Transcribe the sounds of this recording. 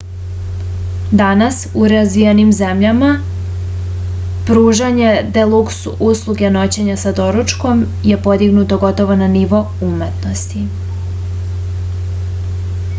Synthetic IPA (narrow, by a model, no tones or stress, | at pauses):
d̪anasuɾazʋijenimze̞mʎama | pɾuːʒaɲe̞d̪elˠuksuʔuslˠuɡeno̞t͡ɕe̞ɲasad̪o̞ɾut͡ʃko̞m | je̞po̞d̪iɡnut̪o̞ɡo̞t̪o̞ʋo̞naniʋo̞ | umet̪no̞st̪i